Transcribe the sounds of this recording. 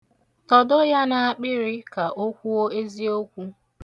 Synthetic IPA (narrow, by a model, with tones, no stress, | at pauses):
tɔ˨do˦ja˦na˨a˨k͡pɪ˦ɾɪ˦ka˨ʔo˦kʷu˦o˦e˦zi˦o˦kʷu˦